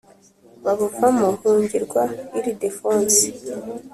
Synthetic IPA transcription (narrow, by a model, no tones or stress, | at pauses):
βaβuvamohuːɲɟiɾɡwaiɾidefoːnsi̥